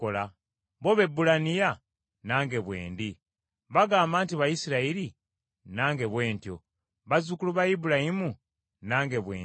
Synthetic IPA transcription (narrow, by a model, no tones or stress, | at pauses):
ola | βo̞βe̞bːulanija | naːŋɡe̞βwe̞̰ːndi | βaɡaːmbaːntiβajisiɾaiɾi | naːŋɡe̞βwe̞ːntjo̰ | βazukuluβajibulahimu | naːŋɡe̞βwḛː